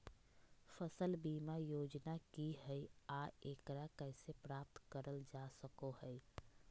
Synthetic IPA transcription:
fəsəlbiːmajoːd͡ʒnakiɦɛiaːeːkɾakɛɪsepɾaːp̚t̪kəɾəld͡ʒaːsəkoɦɛj

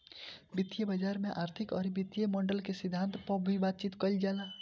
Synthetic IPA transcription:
bɪt̪ːjebəd͡ʒaːɾmẽʔaːɾt̪ʰɪkɔːɾibɪt̪jemɔːɳɖəlkesɪd̪ʱːãːnt̪pəbʱibaːt̪̚t͡ʃit̪kəld͡ʒaːlaː

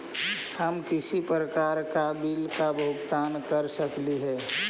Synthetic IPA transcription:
həmkɪsipɾəkaːɾkabilkabʱʊɡt̪aːnkəɾsəkliɦɛː

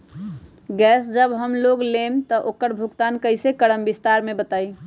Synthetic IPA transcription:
ɡɛːsd͡ʒəbɦəmloɡlemt̪ɔʔoːkəɾbʱʊkt̪ankəɪsekəɽəmbist̪aɾmẽbət̪aːi

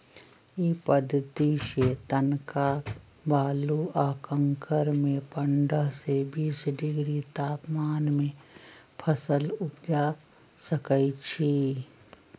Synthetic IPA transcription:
ipəd̪ʱːət̪iʃeːt̪ənka | baːluaːkə̃ŋkəɾmẽpə̃ɳɖəɦsebiːsɖɪɡɾit̪aːpmaːnmẽ | pʰəsəlʊd͡ʒa | səkəit͡ʃʰi

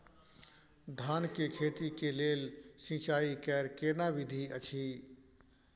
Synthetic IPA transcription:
d̪ʱaːnkekʰet̪ikelelsĩt͡ʃaikɛɾkenabid̪ʱiət͡ʃʰi

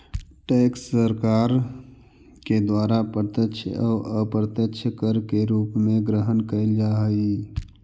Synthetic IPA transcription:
ʈeːksːəɾkaːɾ | ked̪waːɾapəɾt̪əkʃʰɔːəpəɾt̪əkʃʰəkəɾkeɾuːpmẽɡɾəɦənkəld͡ʒaːɦi

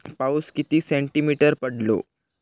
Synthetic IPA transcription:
pauskit̪isẽɳʈimiʈəɾpəɽlo̰

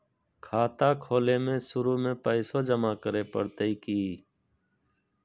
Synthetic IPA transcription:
kʰaːt̪aːkʰoːleːmẽsʊɾuːmẽpəɪsoːd͡ʒəmaːkəɾeːpə̰ɽt̪əikiː

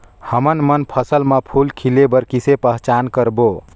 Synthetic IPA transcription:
həmənmənpʰəsəlməpʰulkʰilebəɾkisepəɦt͡ʃankəɾbo

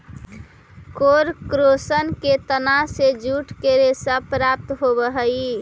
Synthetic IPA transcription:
koɾkɾosənket̪ənased͡ʒuʈʰkeɾesəpɾap̚t̪ɦobəɦəi

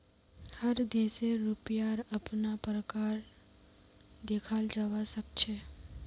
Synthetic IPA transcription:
həɾd̪eseɾupjaɾəpnapɾəkaɾ | d̪ekʰald͡ʒawasəkt͡ʃʰɛ

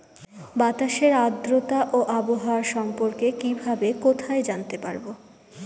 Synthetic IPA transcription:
bat̪aʃeɾad̪ɾot̪aʔoʔaboɦɾʃɔmpoɾkekibʱabekot̪ʰaed͡ʑant̪epaɾbo

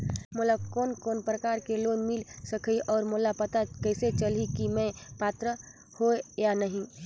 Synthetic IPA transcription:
moːlakoːnkoːnpɾəkaːɾkeloːnmɪlsɐkʰiʔɔːɾmoːlapɐt̪akɛːset͡ʃɐlikimɛ̃paːt̪ɾə | hoejanɐɦĩ

